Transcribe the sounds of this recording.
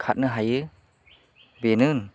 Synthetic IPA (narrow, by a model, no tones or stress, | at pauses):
kʰat̚nɯɦajɯ | benɯn